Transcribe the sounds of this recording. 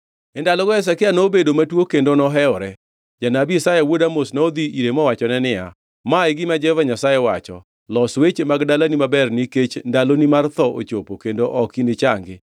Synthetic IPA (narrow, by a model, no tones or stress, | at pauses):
ɛndalɔɡɔɛs̬akɪanobedomatwokendonɔɦɛɔɾɛ | d͡ʒanabisajawodamosnɔd̪iʔiɾemɔwat͡ʃɔnɛnɪa̰ | maɪɡɪmad͡ʒɛvaɲasajɛwat͡ʃɔ̰ | lɔswet͡ʃemaɡdalanimabɛrniket͡ʃndalonimart̪ɔʔo̰t͡ʃopokendoʔɔkinɪt͡ʃaŋɡɪ